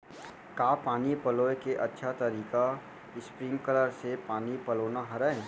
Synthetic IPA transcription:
kaːpaːnipɐloːekeʔɐtːʃʰat̪ɐɾiːka | ɪspɾĩŋɡkələɾsepaːnipɐloːnaɦɐɾəẽ

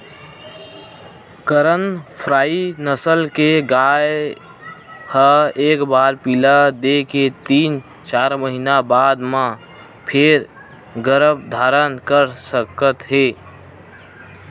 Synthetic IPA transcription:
kəɾənpʰɾaːinəsəlkeɡaːj | həeːkbaːɾpilad̪eket̪iːn | t͡ʃaːɾməɦinabaːd̪mã | pʰeɾ | ɡəɾəbd̪ʱaːɾənkəɾsəkət̪ɦeː

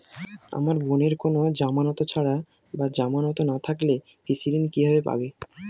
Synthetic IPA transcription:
a̰maɾboneɾkonod͡ʑamanɔt̪ot͡ɕʰaɽa | bad͡ʑamanɔt̪onat̪ʰakle | fisiɾenkibʱabepa̰be

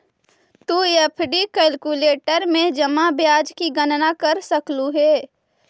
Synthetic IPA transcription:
t̪uepʰɖikɛlkuleːʈəɾmẽd͡ʒəmabjaːd͡ʒkiɡənnakəɾsəkluɦɛː

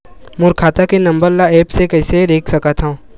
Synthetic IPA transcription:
mʊɾkʰaːt̪akenɐ̃mbəɾlaɛːpsekɐɦɪsed̪eːkʰsɐkat̪ʰɦã

